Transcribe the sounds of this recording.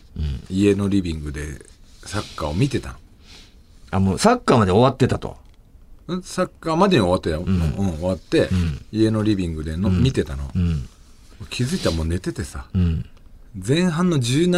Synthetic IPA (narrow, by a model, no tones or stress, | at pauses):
ie̞no̞ɾʲibʲĩŋɡɯ̟d̪e̞ | sakːaːomʲit̪e̞t̪ã̰n | amoːsakːaːmad̪e̞o̞βat̪ːe̞t̪at̪o̞̰ | ɯ̃sakːaːmad̪e̞ɲ̟ʲio̞βat̪ːe̞t̪amo̰ɯ̟̃ɴoβat̪ːe̞ie̞no̞ɾʲibʲĩŋɡɯ̟d̪e̞nomʲit̪e̞t̪ano̞̰ | mokʲʰizɨit̪amo̞ːne̞t̪e̞t̪e̞sa | zẽ̞ɰ̃ɦãnːo̞d͡ʑɨːn